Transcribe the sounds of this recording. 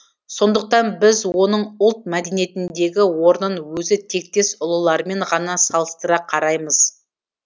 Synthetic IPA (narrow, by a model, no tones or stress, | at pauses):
so̞nd̪əq̚t̪ɑnbɪzwo̞nəɴʊlˠt̪̚mæd̪e̞nije̞t̪ɪnd̪e̞ɡʲɪwo̞ɾnənwɵzɪt̪ʰe̞k̚t̪e̞sʊlˠəlˠɑɾme̞ɴʁɑnɑsɑlˠəst̪əɾɑqʰɑɾɑjməz